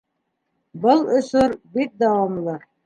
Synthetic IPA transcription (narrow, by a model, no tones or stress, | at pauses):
bɤlˠŏsoɾbit̪̚d̪ɑwɑmlˠɤ